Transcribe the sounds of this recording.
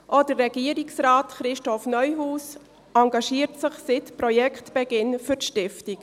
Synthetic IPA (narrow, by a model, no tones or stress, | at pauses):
ʔodərːɛɡiəɾiksraːtχɾɪʃtɔfnœʏɦuːs | ɑŋɡɑʃiːətsəχsɪtpɾɔjɛkχtb̥ɛɡɪnfʏrtʃtɪftik